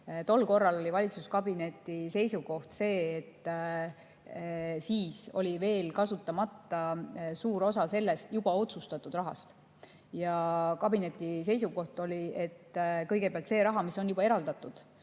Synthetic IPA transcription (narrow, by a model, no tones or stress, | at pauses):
t̪o̞lːko̞rːɑlo̞lʲivɑlʲit̪suskɑb̥ine̞t̪ːˑise̞jsuɡo̞ht̪se̞ːt̪ː | siːso̞̰lʲive̞ːlkɑsut̪ːˑɑmɑt̪ːɑsuːɾo̞sɑse̞lːe̞st̪jub̥ɑo̞t̪sust̪ɑt̪ːˑud̪̥rɑɦɑ̰st̪ | jɑkɑb̥ine̞t̪ːˑise̞jsuko̞ht̪o̞lʲie̞t̪ːkɤjɡe̞peɑlt̪se̞ːɾɑɦɑmiso̞njubɑeɾɑld̪ɑt̪ːˑud̪̥